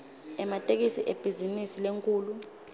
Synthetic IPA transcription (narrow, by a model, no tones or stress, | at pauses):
ɛmatʼek̬isiʔeb̥ʱizinisileŋkʼuːlu